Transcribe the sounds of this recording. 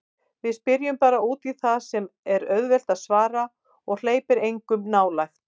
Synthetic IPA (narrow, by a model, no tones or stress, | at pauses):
vɪðspɪɾjʏmpaːɾauːt̪iθaðsɛmɛɾœɥðvɛl̥t̪aðsvaːɾa | ɔɣl̥eːjpɪɾejŋkʏmnaːwlajxt̪